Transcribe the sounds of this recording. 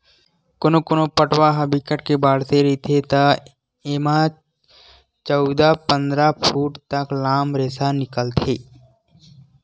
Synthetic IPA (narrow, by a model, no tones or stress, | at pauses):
konokonopəʈwaɦəbikəʈkebaːɽseɾet̪ʰet̪a | eːma | t͡ʃəʊd̪apə̃nd̪ɾapʰuːʈt̪əklaːmɾeːsanɪkəlt̪ʰeː